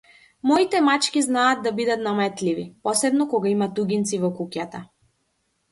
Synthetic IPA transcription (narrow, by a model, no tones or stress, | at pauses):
mɔit̪ɛmat͡ʃkʲiznaːd̪̚d̪abid̪at̪namɛt̪livipɔsɛbnɔkɔɡaimat̪uɡʲint̪sivɔkukjat̪a